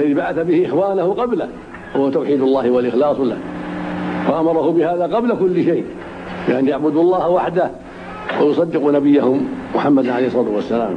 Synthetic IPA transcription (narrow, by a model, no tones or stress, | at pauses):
laðibaʕaθabɪhɪʔɪxwaːnahʊqɑbla̰h | hʊwat̪awħiːd̪ʊlˤːɑːhɪwalʔɪxlɑːsˤla̰h | waʔamɑɾˤɑhʊbɪhaːðaqɑblakʊlːɪʃejʔ | bɪʔanjaʕbʊd̪uɑlˤːɑːhawaħd̪ah | wajʊsˤɑd̪ːɪqunabɪjːahʊmːʊħamːad̪ʕalejhsˤɑːt̪ʊwasːala̰ːm